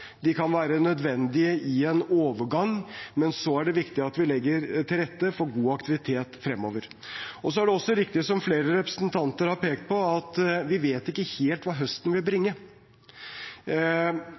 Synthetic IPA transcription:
d̪ɪkʰɑnʋæːɾənœd̪ʋɛnd̪ɪəʔɪɛnoːʋəɾɡɑŋmɛnsɔæɖɛʋɪkt̪ɪɑt̪ʋɪlɛɡːəɾt̪ʰɪlɾɛt̪ːəfɔɾɡuːɑkt̪ɪʋɪt̪ʰeːt̪fɾɛmːo̰ːʋəɾ | ɔsɔæɖɛɔsːɔɾɪk̚t̪ɪəsɔmfleːɾəɾɛpɾəsnt̪ʰɑnt̪əɾhɑɾpeːk̚t̪̚pʰɔɑt̪ʋɪʋeːt̪ɪkːəheːlt̪ʋɑːɦœst̪ənʋɪlbɾɪŋːə

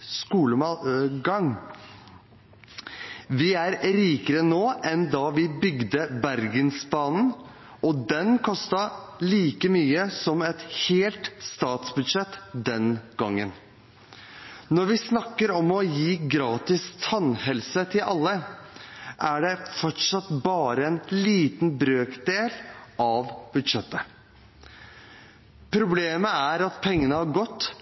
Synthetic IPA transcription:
skuːləmɑɡɑŋ | ʋɪæɾɾiːkəɾənoːʔɛnd̪ɑʋɪbʏɡd̪əbæɾɡənsbɑːnn̩ | ɔd̪ɛnkʰɔst̪ɑliːkəmyːəsɔmɛt̪heːlt̪st̪ɑːt̪sbʉd̪ʂɛt̪ːd̪ɛnɡ̥ɑŋːən | nɔɾʋɪsnɑkːəɾɔmɔjiːɡɾɑːt̪ɪst̪ʰɑnhɛlsət̪ʰɪlʔɑlːə | ʔæɖɛfɔʈʂɑt̪bɑːɾəɛnliːt̪nbɾøːkd̪eːlʔɑʋb̥ʉd̪ʂɛt̪ːə | pʰɾʊbleːməæɾɑt̪pʰɛŋːənəhɑɾɡɔt̪ː

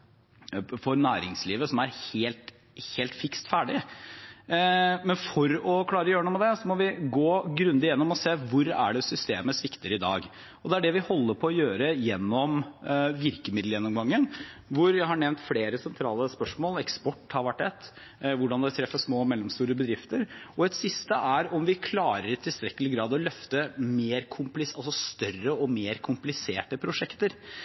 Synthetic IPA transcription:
fɔɾnæːɾɪŋsliːʋəsɔmæɾheːlt̪ | heːlt̪fɪkst̪fæːɖɪ | mɛnfɔɾɔkʰlɑːɾəjøːɾɳuːmɛd̪ɛsɔmɔʋɪɡoːɡɾʉnd̪ɪjɛnːɔmɔseːʋʊɾæ̰ɖɛsʏst̪eːməsʋɪkt̪ɪɾɪd̪ɑ̰ːɡ | ɔd̪ɛæɖɛʋɪhɔlːəpʰɔɔjøːɾəjɛnːɔmʋɪɾkəmɪd̪l̩jɛnːɔmɡɑŋːənʋʊɾjæhɑɳɛʋnt̪fleːɾəsɛnt̪ʰɾɑːləspœʂmoːlɛkspɔʈːhɑɾʋæʈːɛt̪ː | ʋʊɖɑnd̪ɛt̪ʰɾɛfːəsmoːmɛlːɔmst̪uːɾəbəd̪ɾɪft̪əɾɔɛt̪sɪst̪əʔæɾɔmʋɪkʰlɑːɾəɾt̪ʰɪlst̪ɾɛkːəlɪɡɾɑːd̪ɔlœft̪əmeːɾkʰʊmplɪsɑlsɔst̪œrəɔmeːɾkʰʊmplɪseːʈəpʰɾʊʂɛkt̪əɾ

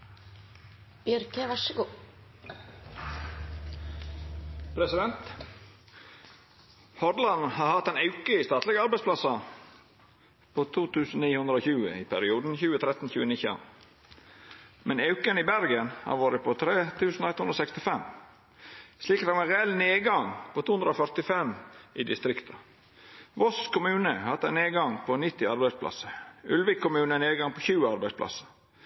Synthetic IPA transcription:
ɛɾkʰɛːʋæʃɪku | pʰɾɛsɪd̪ɛnt̪ | hɔd̪lɑnhɑːɾhɑt̪ɛɪnɑʉkəist̪ɑːt̪lɛɡɑɾbæɪspʰlɑsɑ | pʰoːt̪ʰuːt̪ʰʉːsn̩niːhʉnd̪ɾəoːçʉːə̰ipʰæɾɪuːd̪n̩çʉːət̪ʰɾɛt̪n̩çʉːənɪçɑ̰ | mɛnɑʉkənɪbæɾɡənhɑ̰ɾʋoːɾəpʰɔt̪ʰɾeːt̪ʰʉːsn̩oɛt̪hʉnɾɔsɛkst̪ɪfɛmː | sliːkɑt̪ːæʋɑɾɛɛlneːɡɑŋpʰot̪ʰuːnd̪ɾəofœɾt̪ɪfɛmɪːd̪ɪst̪ɾɪkt̪ʰɑ | ʋɔskʰʊmʉːnəhɑt̪ːæneːɡɑŋpʰɔnɪt̪ːɪɑɾbæɪspʰlɑ̰səʉlʋɪkʰːʊmʉːnəneːɡɑŋpʰɔçʉːəɑɾbæɪspʰlɑ̰sə̥

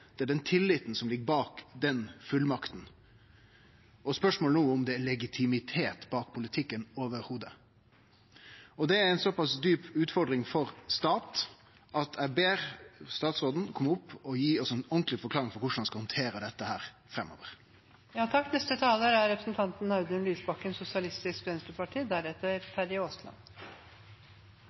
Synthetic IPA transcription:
d̪̥ɛæɖɛnt̪ʰɪlːɪt̪n̩sɔmlɪɡːəbɑːkd̪ɛnfʉlmɑkt̪n̩ | ʔɔspœʂmoːlnuːʊmd̪ɛælɛɡɪt̪ʰɪmɪt̪ʰeːt̪bɑːk̚pʰʊlɪt̪ʰɪkːənoːʋəɾhuːd̪ə | ɔd̪ɛæɾæɪnsɔpɑsd̪yːpʉːt̪fɔɾɖ̪ɾɪŋfɔɾst̪ɑːt̪ | ʔɑt̪æbeːɾst̪ɑːt̪sɾoːd̪n̩kʰɔmːʊpːɔjiːɔsɔɛnɔnk̪lɪfɔɾkʰlɑːɾɪŋfɔɾkʰʊʂɳ̩hɑnskɑhɔnt̪ʰeːɾəd̪ɛt̪ːəhæːɾ | fɾɛmːo̰ːʋəɾ | jɑːt̪ʰɑkːnɛst̪ət̪ʰɑːləɾæɾɾɛpɾəsn̩t̪ʰɑnt̪n̩ɑʉd̪ənlyːsbɑkːənsʊsɪɑlɪst̪ɪskʋɛnst̪əpɑʈʰiːd̪æɾɛt̪ːəɾfæɾɪoːst̪lɑ̰n

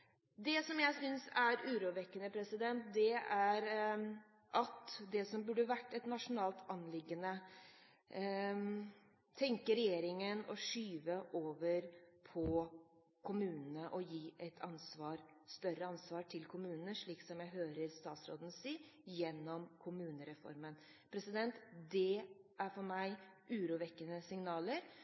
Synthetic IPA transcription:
d̪ɛsɔmjæɪsʏnsæɾʉːɾuːʋɛkːənəpʰɾɛsɪd̪ɛnt̪̚d̪ɛæɾ | ʔɑt̪d̪ɛsɔmbʉɖəʋæʈːɛt̪nɑʂʊnɑːlt̪ʰɑnlɪɡːənə | t̪ʰɛŋkəɾɛjeːɾɪŋənɔ̰ʂyːʋəʔoːʋəɾpʰɔ | kʰʊmʉːnənəʔɔjiːʔɛt̪ʰɑnsʋɑːɾst̪œɾəɑnsʋɑːʈʰɪlkʰʊmʉːnənəʂɭiːksɔmjæɪɦøːɾəɾst̪ɑːt̪sɾo̰ːd̪n̩siːjɛnːɔmkʰʊmʉːnəɾɛfɔ̰ɾmən | pʰɾɛsɪd̪ɛnt̪d̪ɛæɾfɔɾmæɪʔʉːɾuːʋɛkːənəsɪŋnɑːləɾ

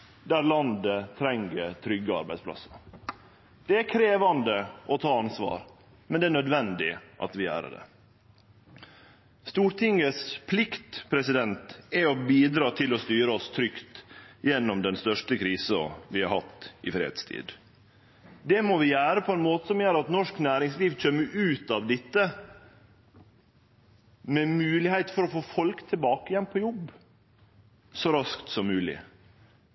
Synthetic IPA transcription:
d̪æɾlɑnd̪ət̪ʰɾɛŋɡət̪ʰɾʏɡəɑ̰ɾbæɪd̪spʰlɑ̰sːə | d̪̥ɛæɾkʰɾeːʋɑnd̪əʔɔt̪ʰɑːɑnsʋɑ̰ːɾ | mɛnd̪ɛæɳnœd̪ʋɛnd̪ɪʔɑ̰t̪ʋɪæ̰ːɾə̰ɖɛ̰ | st̪uːɾʈ̪ʰɪŋəspʰlɪkt̪pʰɾɛsɪd̪ɛnt̪ɛɔbiːd̪ɾɑːt̪ʰɪlɔst̪yːɾəɔst̪ʰɾʏkt̪jɛnːɔmd̪ɛnst̪œʂʈəkʰɾiːsɑ̰ʋɪhɑ̰ɾhɑ̰t̪ːʔɪfɾḛːhɛ̰d̪st̪ʰḭːd̪ | d̪ɛmɔʋɪjæːɾəpʰɔɛnmoːt̪ə̥sɔmjøːɾɑt̪nɔʂknæːɾɪŋsliːʋc͡çʰømːəɾʔʉːt̪ɑʋd̪ɪt̪ːə | mɛmʉːlɪhæɪt̪fɔɾɔfoːfɔlkt̪ʰɪlbɑːkəjɛnːpʰɔjɔb | sɔɾɑskt̪sɔmːʉːlɪ̰

